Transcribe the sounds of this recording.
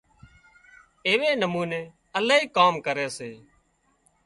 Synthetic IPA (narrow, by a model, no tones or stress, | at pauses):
eːʋeːnəmuːneː | əlaːɦiːkaːmkəɾeːseː